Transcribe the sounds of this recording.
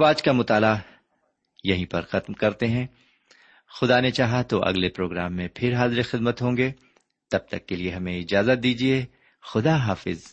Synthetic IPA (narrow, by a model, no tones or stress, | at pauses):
ɐbaːd͡ʒkamʊt̪aːla | jɐɦĩpɐɾxɐt̪mkɐɾt̪eɦɛ̃ | xʊd̪anet͡ʃaːɦat̪oʔɐ̰ɡlepɾoːɡɾaːmːẽpʰɪɾɦaːzɾexɪd̪̚mət̪ɦõːŋɡe | t̪ɐb̚t̪ɐkːelieɦɐmẽɪd͡ʒaːzət̪̚d̪iːd͡ʒie | xʊd̪aɦaːfɪz